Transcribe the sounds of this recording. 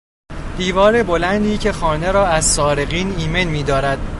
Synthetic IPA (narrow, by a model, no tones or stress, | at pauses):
d̪̥iːvɒːɾe̞bo̞lænd̪iːcʰe̞xɒːne̞ɾɒːæzsɒːɾeɣiːniːme̞nmiːd̪ɒːɾæd̪